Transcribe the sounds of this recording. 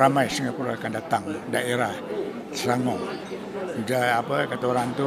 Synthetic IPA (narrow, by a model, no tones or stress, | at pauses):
amajsəŋapuloakandat̪aŋdaeɾah | səɾaŋɔʔ | d͡ʒaapəkat̪uɾant̪u